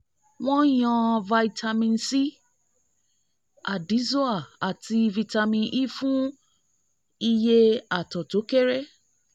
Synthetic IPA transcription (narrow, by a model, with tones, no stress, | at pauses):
wɔ̃˦jɔ̃˧va˧i˦tʰa˧mĩ˧n˦si˦ | a˨di˨˦zo˦a˨a˨ti˧vi˨ta˧mĩ˧ʔi˦fũ˦ | i˧je˦a˨tɔ˨to˨˦ke˦ɾe˦